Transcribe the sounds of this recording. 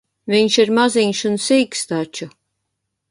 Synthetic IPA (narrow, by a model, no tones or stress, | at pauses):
viɲʃiɾmaziɲʃunsiːkst̪at͡ʃu